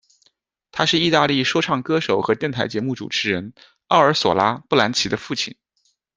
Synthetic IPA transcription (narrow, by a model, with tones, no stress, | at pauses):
t̪ʰa˥ʂɻ̩˥˧i˥˧t̪a˥˧li˥˩ʂwɔ˥ʈ͡ʂʰɑ˥˩ŋkɤ˥ʂo˨˩ʊxɤ˧˥t̪jɛ˥˩nt̪ʰa˧˥ɪt͡ɕjɛ˧˥mu˥˩ʈ͡ʂṵ˨˩ʈ͡ʂʰɻ̩˧˥ɻə˧˥n | ɑ˥˩ʊə˞˧˥swɔ̰˨˩la˥pu˥˩la˧˥nt͡ɕʰi˧˥d̪ə˧fu˥˩t͡ɕʰḭ˥˩˦n